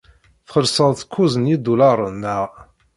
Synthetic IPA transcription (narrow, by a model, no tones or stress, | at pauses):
θχəlsəðθkʰːuzənid̪ulɑɾˤənːəʁ